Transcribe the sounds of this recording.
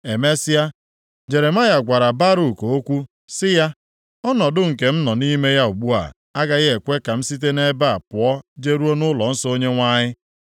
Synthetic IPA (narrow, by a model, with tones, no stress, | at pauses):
e˨me˦sɪ˦a˦ | d͡ʒe˨ɾe˨ma˦ja˨ɡʷa˨ɾa˨ba˦ɾu˨ko˨o˦kʷu˦ | sɪ˦ja˦ | ɔ˦nɔ˨dʊ˦ŋ̩˨ke˨m̩˦nɔ˨ni˦me˦ja˦u˨ɡ͡bu˦a̰˨ | a˦ɡa˨ɣe˨kʷe˦ka˨m̩˦si˦t̬e˦ne˦ba˦a˨pʊ˨ɔ˦d͡ʒe˦ɾu˦o˦nʊ˦lɔ˨n̩˦sɔ˦o˦ɲe˦ŋʷa˦ɲɪ˦